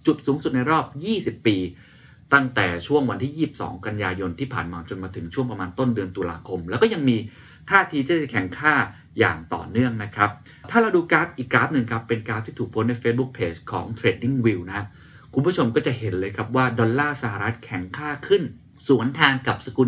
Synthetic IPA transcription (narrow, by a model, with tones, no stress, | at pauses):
t͡ɕu˨˩t̪̚suː˩˦ŋsu˨˩t̪̚na˧jɾɔː˥˩p̚jiː˥˩si˨˩pːiː˧ | t̪a˥˩ŋt̪ɛː˨˩t͡ɕʰu˥˩əŋwa˧nt̪ʰiː˥˩iː˥˩si˨˩p̚sɔ̰ː˩˦ŋka˧njaː˧jo˧nt̪ʰiː˥˩pʰaː˨˩nmaː˧t͡ɕo˧nmaː˧t̪ʰɯ˩˦ŋt͡ɕʰu˥˩əŋpɾa˧maː˧nt̪o˥˩ndɯ˧ənt̪uː˧la̰ː˧kʰo˧mlɛː˦˥wkɔ˥˩ja˧ŋmiː˧ | t̪ʰaː˥˩t̪ʰiː˧t͡ɕ̪ʰa˥˩a˥˩kʰɛ˨˩˦ŋkʰaː˥˩ | jaː˨˩ŋt̪ɔ̰ː˨˩nɯ˥˩əŋna˦˥kʰɾa˦˥p̚ | t̪ʰaː˥˩la˧wduː˧kɾa˦˥p̚ʔiː˨˩kːɾaː˦˥p̚nɯ˨˧ŋkʰɾa˦˥pːe˧nkɾaː˧˦˥p̪̚ʰiː˥˩t̪ʰuː˨˩kpʰo˦˥na˧jfeː˦˥t̪̚bu˦˥k̚pʰeː˧˩t͡ɕkʰɔ̰ː˩˦ŋt̪ʰɾeː˧di˥˩ŋwi˧wna˦˥ | kʰu˧nmbu˥˩t͡ɕʰo˧mkɔː˥˩t͡ɕa˨˩he˩˦nlɤː˧jkʰɾa˦˥p̚waː˥˩dɔ˧nlːaː˥˩sa˧ɦa˨˩ɾa˦˥t̪̚kʰɛ˨˩˦ŋkʰaː˥˩kʰɯ˥˩n | suː˩˦ənt̪ʰaː˧ŋka˨˩p̚sa˧ku˧